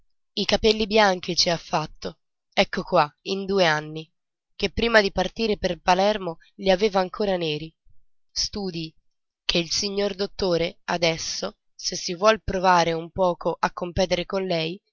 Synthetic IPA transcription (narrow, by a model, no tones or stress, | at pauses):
ikapelːibjaŋk̟it͡ʃiafːat̪ːo | ɛkːokwaind̪uːeanːi | kepːɾiːmad̪ipart̪iːɾeperpalɛrmoʎiaveːvaːŋkʰoːɾaneːɾi | st̪uːd̪i | kʰeilsiɲːord̪ot̪ːoːɾead̪ɛsːo | sesːivwɔlpɾovaːɾeumpɔːkʰoʔakːompɛːt̪eɾekonlɛj